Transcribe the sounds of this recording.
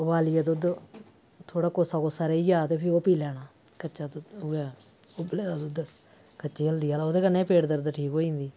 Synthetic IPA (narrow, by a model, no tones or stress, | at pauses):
ʋaːlɪjaːt̪od̪ | t̪ʰoːɽaːkoːsaːkoːsaːɾeːiːjaːt̪eːpʰɪɾoːpiːlɛːɽ̃aː | kəːt͡ʃaːt̪ːʊɛː | oːbəleːd̪aːt̪ːd̪ | kət͡ʃeːəld̪iːaːloːd̪eːkənːeːpeːʈd̪əɾd̪aʈʰiːkoːĩːnd̪iː